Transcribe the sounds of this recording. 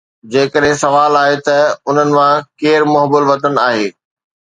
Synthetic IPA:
d͡ʑeːkəɗɦɪ̃sɐʋaːlaːɦet̪ɐʊn̤ənɪ̆mãkeːɾmʊɦbəlʋɐt̪ən̆aːɦeː

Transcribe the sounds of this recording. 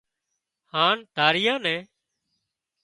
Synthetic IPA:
haːɳd̪ʱaːɾɪjãːnɛ̃ː

